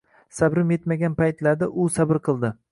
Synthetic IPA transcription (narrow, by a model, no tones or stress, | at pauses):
sabɾɪmje̞t̪maɡʲanpajt̪laɾd̪aʔʊsabɪɾqʰɨlˠd̪ɪ